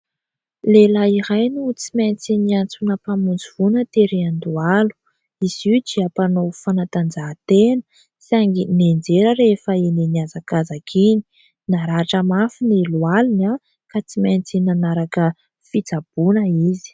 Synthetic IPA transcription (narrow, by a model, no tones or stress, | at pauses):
lelaiɾajnut͡siment͡siniant͡sunəpamund͡ziv̥unət̪eɾeand̪ualu̥ | iz̥iud͡ʒiapanowfanat̪and͡zat̪enə̥ | saŋɡinend͡ʒeɾəɾefəeneniazakazakʰini̥ | naɾaːʈ͡ʂəmafinilualina | kat͡simant͡sinanaɾakə | fit͡sab̥unəizi̥